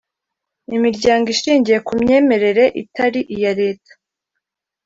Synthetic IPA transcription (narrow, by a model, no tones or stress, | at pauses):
imiɾɟaːŋɡiʃiːɲɟije̞kumɲe̞ːme̞ɾe̞ɾe̞ʔitaɾiʔijaɾe̞ːtḁ